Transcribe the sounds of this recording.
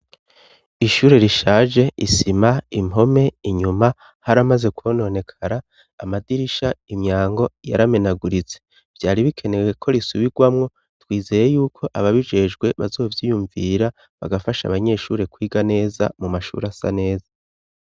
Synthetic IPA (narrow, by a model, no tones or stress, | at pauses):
iʃuːɾe̞ɾiʃaːʒe̞ʔisimaimɦo̞me̞iɲuma | haɾamaze̞kwoːno̞ne̞kʰaɾaː | madiɾiʃaimɲaːŋɡo̞ja̰ɾame̞naɡuɾit͡se̥ | v̥jaːɾiβikʰe̞ne̞we̞kʰo̞ɾisuβiɡwamŋo̞ | twiːze̞ːje̞juːkʰo̞ʔaβaβid͡ʒe̞ʒɡwe̞βa̰zo̞ːvjiːjuɱviɾa | βa̰ɡafaʃa̰βaɲe̞ʃuːɾe̞kwiːɡane̞ːza̰mumaʃṵɾasa̰ne̞ːza